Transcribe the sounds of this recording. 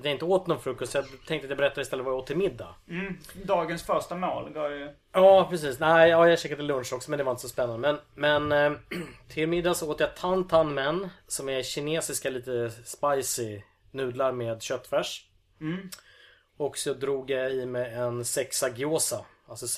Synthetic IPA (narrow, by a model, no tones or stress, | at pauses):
t̪jaɪnt̪əoːt̪nɔnfɾʉ̟ːkːɔst̪sjat̪ʰɛŋk̪at̪jabɛɾɛt̪ːad̪ɪst̪ɛlːət̪vajoːt̪ʰːɪmɪd̪ːa̰ | d̪ɑːɡənsfœʂʈamaːlɡɑːj | ɑːpʰɾɛs̬iːsnæɪɑːjaɕɛkːad̪əlɵnʂɔksɔmɛnd̪ɛvaɾɪnt̪əsɔspɛnːand̪əmɛnmɛn | t̪ʰɪlmɪd̪ːasɔoːt̪əjat̪ʰant̪ʰanmɛnːsɔmɛɾɕɪneːsɪskaliːt̪əspajsɪ | nʉ̟ːd̪laɾmeːd̪ɕœt̪ːfɛʂ | ɔksɔd̪ɾuːɡjaɪmɛɛnsɛksaɡɪoːsa | alsɔ